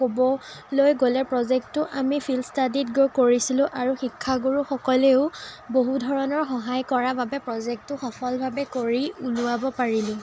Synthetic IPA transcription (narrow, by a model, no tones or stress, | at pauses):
kobɔlojɡolɛpɹɔzɛk̚tːʊʔamipʰilstaditɡokoɹisilʊ̃ʔaɹuxikʰːaɡuɹuxɔkɔleʊboɦudʱɔɹɔnɔɹxɔɦajkɔɹababɛpɹɔzɛk̚tʊxɔpʰɔlbʱabɛkoɹiulʊabɔpaɹilʊ̃